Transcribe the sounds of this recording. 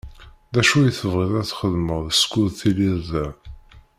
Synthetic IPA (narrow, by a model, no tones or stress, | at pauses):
ðæʃujəθəvʁiðˤæθχəðməʁðəskʊðθiliɾðæ